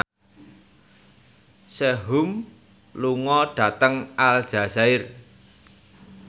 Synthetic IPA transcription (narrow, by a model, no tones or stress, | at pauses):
seɦʊm | luŋɔɖ̥ä̤t̪əŋald̥ʒ̥a̤z̥aɪr